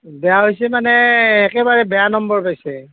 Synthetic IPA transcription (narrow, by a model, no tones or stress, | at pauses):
bɛjaɦojsɛmanɛːkɛbaɹɛbɛjanɔmbɔɹpajsɛ